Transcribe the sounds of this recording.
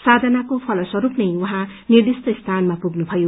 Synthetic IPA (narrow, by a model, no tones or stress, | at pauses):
sad̪ʱʌnakopʰʌlʌswʌɾupnʌjwʌɦãnird̪ist̪ʌist̪ʰanmapuɡnup̪ʰʌjo